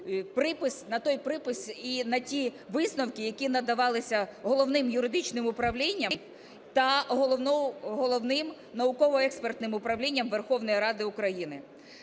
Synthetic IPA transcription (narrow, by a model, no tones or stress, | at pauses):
pɾɪpɪsʲnɐt̪ɔjpɾɪpɪsinɐtʲi | ʋɪsnɔwkɪjɐkʲinɐd̪ɐʋɑlˠɪsʲɐɦɔlˠɔʋnɪmjʊɾɪd̪ɪt͡ʃnɪmʊpɾɐʋlʲinʲːɐm | t̪ɐɦɔlˠɔnɔɦɔlˠɔʋnɪm | nɐʊkɔʋɔɛkspert̪nɪmʊpɾɐʋlʲinʲːɐmʋerxɔʋnɔjiɾɑd̪ɪʊkɾɐjinɪ